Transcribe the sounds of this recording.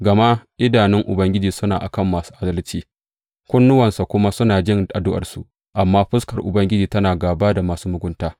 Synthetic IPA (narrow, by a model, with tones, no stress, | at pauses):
ɡɐ˨ma˦ʔɪ˦daː˨nɪ˦ŋʔʊ˨bɐ˦ŋɡʲɪ˦d͡ʒiː˨sʊ˦naː˨ʔa̰˨kɐ˦˨mːaː˨su̥ː˦ʔa˦dɐ˦lt͡ʃiː˦ | kʷʊ˦nːʊ˦wɐ˨nsa˨kʷʊ˦ma˦sʊ˦naː˨d͡ʒɪ˦ŋʔa˨dʊ˦ʔɐ̰˨rsṵ˨ʔ | ʔa˨mːaː˦ɸɪ˦skɐ˨rʔʊ̰˨bɐ˦ŋɡʲɪ˦d͡ʒiː˨tɐ˦naː˨ɡaː˨baː˦da˨maː˨suː˦mʊ˦ɡʷʊ˦ntaː˦